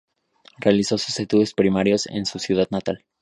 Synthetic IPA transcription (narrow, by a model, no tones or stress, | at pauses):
realiso̞su̥set̪uðospɾimaɾjo̞sḛnsusjuð̞aðnat̪al